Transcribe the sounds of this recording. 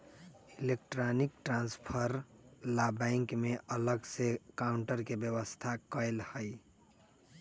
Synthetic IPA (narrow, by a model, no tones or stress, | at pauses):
ilek̚ʈɾanik̚ʈɾãnspʰəɾlabɛɪŋkmeʔələɡsekaʊɳʈəɾkebjəβəst̪ʰakəjlhəj